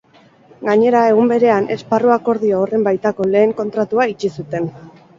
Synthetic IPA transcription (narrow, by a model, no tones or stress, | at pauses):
ɡaɲe̞ɾae̞ɣumbe̞ɾe̞anʔe̞sparuako̞ɾðioːre̞mbajt̪ako̞le̞ːŋko̞nt̪ɾat̪uait͡ʃisut̪e̞n